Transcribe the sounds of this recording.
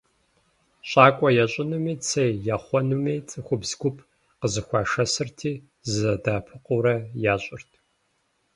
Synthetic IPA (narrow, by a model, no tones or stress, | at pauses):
ɕʼaːkʷʼɔjɛɕʼɪnumiːt͡sʰejjaːχʷɔnumiːt͡sʼɨxʷʊbzɡʷʊpʰ | qəzɨxʷɑːʂɐsɨrtʰiː | zɐdaːpʰɨqʊɾɐjaːɕʼɪrtʰ